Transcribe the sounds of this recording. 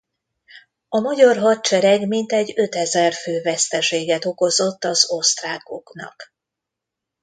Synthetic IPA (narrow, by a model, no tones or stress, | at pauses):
ɒmɒɟɒrɦɒt̪̚t͡ʃɛɾɛɡmint̪ɛɟːø̞t̪ɛzɛrføːvɛst̪ɛʃeːɡɛt̪o̞ko̞zo̞t̪ːɒzo̞st̪raːko̞̰knɒ̰k